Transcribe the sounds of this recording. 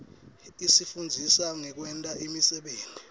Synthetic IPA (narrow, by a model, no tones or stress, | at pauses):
isifund͡zʱisaŋɛk̬wɛntʼaʔimisɛɓeːnti